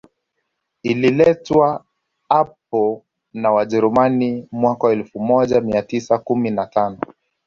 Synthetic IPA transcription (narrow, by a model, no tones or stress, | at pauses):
ililɛtwa | ap̚ɔ | nawaʄɛɾumanimwakawɛlfumɔʄamiatisakuminatanɔ